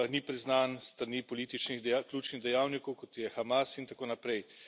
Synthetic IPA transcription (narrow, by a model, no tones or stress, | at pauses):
nipɾiznaːnst̪ɾanipɔliːt̪it͡ʃniɣklʲuːt͡ʃniɣd̪ɛjawnikɔwkɔt̪jɛxamasint̪akoːnapɾɛj